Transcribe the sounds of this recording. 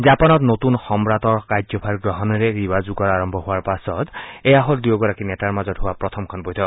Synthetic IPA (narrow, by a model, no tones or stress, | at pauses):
zapɔnɔtnotunxɔmɹatɔɹkad͡ʒzɔpʰaɹɡɹɔɦɔnɔɹɛɹibazuɡɔɹaɹɔmbʱɔɦʊwaɹpasɔtɛjaɦoldujoɡɔɹakinɛtaɹmazɔthʊwapɹɔtʰɔmkʰɔnbɔjtʰɔk